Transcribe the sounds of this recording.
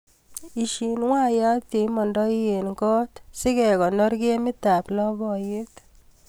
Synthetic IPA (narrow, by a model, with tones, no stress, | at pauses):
i˨ʃi˨nwa˦ja˦t̪i˨mɔ˨ndɔ˦i˦je˨nkɔ˦t̪sɪ˦kɛ˨kɔ˨nɔ˦ɾke˦mɪ˦t̪a˨plɔ˦bɔ˨ji˦t̪